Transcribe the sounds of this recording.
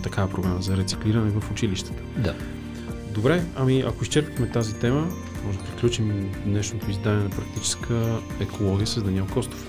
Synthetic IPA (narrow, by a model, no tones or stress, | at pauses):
t̪ɐkavɐpɾoɡaməzɐɾɛt̪si̥kliɾɐnɛvəfʊt͡ʃiliʃt̪ə̥t̪ə̥d̪a | d̪obɾɛɐmiɐ̰koiʃt͡ʃɛɾpixmɛt̪azit̪ɛmə | mɔʒd̪ɐpɾiklʲut͡ʃimd̪nɛʃnot̪oizd̪anɛnɐpɾɐk̚t̪it͡ʃɛ̥skʰə | ɛkʰolˠɔɡʲiəsəzd̪ɐniɛlˠkɔst̪o̥f